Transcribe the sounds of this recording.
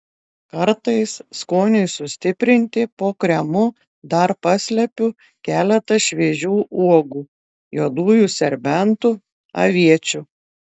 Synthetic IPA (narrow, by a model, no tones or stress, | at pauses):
kɐɾt̪ɐɪsskoːnʲʊɪsʊsʲt̪ʲɪpʲɾʲɪnʲt̪ʲɪpoːkɾʲɛmʊ | d̪ɐɾpɑsʲlʲɛpʲʊ | kʲæːlʲɛt̪ɐʃʲʋʲiɛʒʲuːʔuɔɡuː | joːd̪uːjuːsʲɛɾʲbʲɛnt̪ʊ | ɐ̰ʋʲiɛt͡ʃʲʊ